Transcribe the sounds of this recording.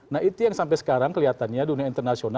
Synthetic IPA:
nahit̪ujaŋsampɛjsə̥kaɾaŋkəliɦat̪anɲaduniaint̪ərnasiona

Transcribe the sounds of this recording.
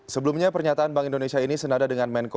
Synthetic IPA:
səbəlumɲapərɲat̪aanbaŋindonesiainisənadadəŋanmɛnko

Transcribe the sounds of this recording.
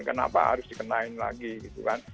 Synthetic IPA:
kəna̰pa̰ɦa̰ɾʊsdikənaɪnla̰ɡiɡit̪ukan

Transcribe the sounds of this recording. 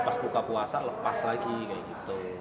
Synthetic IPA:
paspukapuasaləpaslaɡikajaɡit̪u

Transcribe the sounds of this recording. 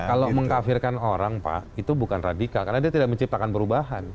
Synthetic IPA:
kaloməŋkafɪrkanoɾaŋpa̰ʔit̪ubukanradikalkarnadiat̪idaʔ̚məɲt͡ʃip̚t̪akanpəɾubaɦan

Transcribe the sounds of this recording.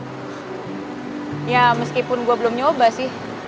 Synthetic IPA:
jaməskipʊnɡuabəlʊmɲobasɪh

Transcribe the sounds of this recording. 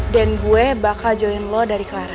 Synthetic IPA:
danɡuɛbakad͡ʒɔinlɔdaɾiklaɾa

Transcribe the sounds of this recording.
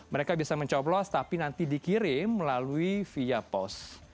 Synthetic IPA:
məɾekabiasaməɲt͡ʃɔblɔst̪apinant̪idikiɾɪmːəlaluifiapɔ̰s

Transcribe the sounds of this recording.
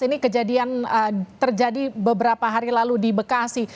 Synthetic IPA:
inikəd͡ʒadianət̪ərd͡ʒadibəbəɾapaɦaɾilaludibəkasi

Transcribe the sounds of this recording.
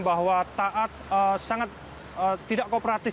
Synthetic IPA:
baɦwat̪aʔat̪̚əsaŋat̪̚ | əːidaʔkopɾat̪ɪ

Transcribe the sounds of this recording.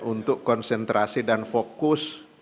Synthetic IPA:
ʔunt̪ʊkːɔnsɛnt̪ɾʔasidanfokʊs

